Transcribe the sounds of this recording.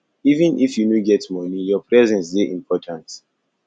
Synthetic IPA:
ivĩnʔifjunoɡɛtmɔnijɔpɹɛzɛ̃nsdeʔĩmpʰɔtʰãnt

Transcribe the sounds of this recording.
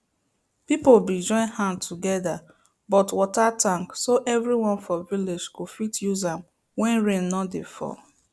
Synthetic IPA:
pipolbid͡ʒɔ̃ɪ̃nhãntʰuɡɛda | bɔtwɔtatãŋksoʔɛvɹiwɔ̃nfɔviled͡ʒkufitjuzãm | wɛ̃nɹẽnːɔdefɔ̰

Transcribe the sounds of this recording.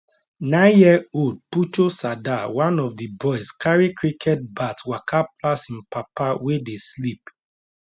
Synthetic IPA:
nãɪ̃njiɛold̚putosadawãnɔvdibɔɪskʰaɹikʰɹikʰɛt̚batwakʰaplasĩnpapawedeslip̚

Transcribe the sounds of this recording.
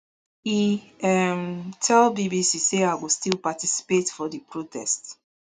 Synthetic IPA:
iɛmtʰɛlˠbibisiseaɪwɔstilpatisi̥petfɔdipɹotʰɛ̰st

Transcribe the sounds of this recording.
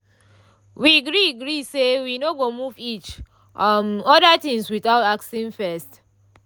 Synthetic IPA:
wiaɡɹiɡɹisewinoɡomuvit͡ʃ | mɔdatĩŋswiθaʊtaksĩnfɛst

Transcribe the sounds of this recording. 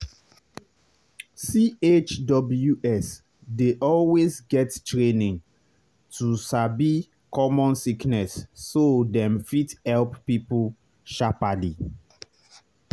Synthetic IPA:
siet͡ʃdɔbljuʔɛs | deʔɔlwezɡɛttɹenĩn | tʰusabi | kɔmɔ̃nsiknɛsːodɛ̃mfithɛlppipul | ʃapali

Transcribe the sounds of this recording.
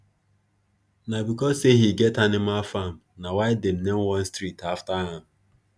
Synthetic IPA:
nabikɔzseɦiɡɛtanɪmalfam̩nawaɪdem̩nemwɔ̃n̩stɾitaftaɦãm̩

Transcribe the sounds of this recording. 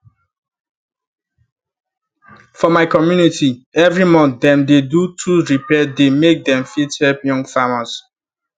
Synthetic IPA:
fɔmaɪkɔmjunitʰiɛvɹimɔ̃nd̪ɛ̃mdedutʰuɹipɛdemek̚d̪ɛ̃mfithɛlpjɔ̃ŋɡfamas

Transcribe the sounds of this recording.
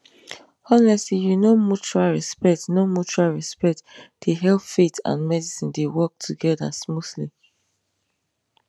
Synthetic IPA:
ɔnɛsijunomut͡ʃualɹispɛk̚tnomut͡ʃualɹispɛk̚td̥eɦɛlpfetʰã̰nmɛdisĩndewɔk̚tʰuɡɛda̰smuθli

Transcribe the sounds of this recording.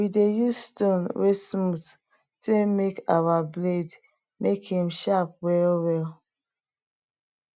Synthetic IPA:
widejustonwesmut | temekawabled | mekhĩmʃap̚wɛlwɛl

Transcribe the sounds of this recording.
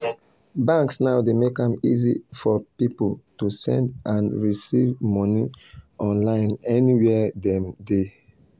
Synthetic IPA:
bãŋksnaʊdemekãmizifɔpipoltusɛ̰̃ndʔãnɹisivmɔniʔɔ̃nlãɪ̃nɛniwɛdɛ̃mde

